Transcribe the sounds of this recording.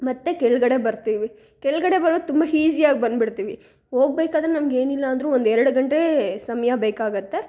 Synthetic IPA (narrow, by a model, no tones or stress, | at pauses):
mɐt̪ːe̞kɛɭuɡɐɽebɐɾt̪iːʋi | kɛɭɡɐɽe̞bɐɾod̪t̪umbɐɦiːd͡ʒijaːɡ̚bɐnd̪biɽt̪iːʋi | ho̞ːɡ̚beːkaːd̪ɐɾenɐmɐɡe̞ːnilːɐːnd̪ɾuond̪ɛɾɐɽuɡɐɳʈesɐmɐjɐbeːkaːɡɐt̪ːe